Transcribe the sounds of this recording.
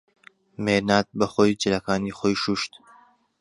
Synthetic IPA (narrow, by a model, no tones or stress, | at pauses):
meːɾnaːt̪̚bɐχoːjd͡ʒɪlɐkaːniːxoːjʃuːʃt̪